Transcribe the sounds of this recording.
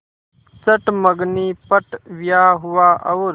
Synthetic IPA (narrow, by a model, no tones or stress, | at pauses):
t͡səʈməɡniːpəʈʋɪjaːɦʊaːʔəʋɾ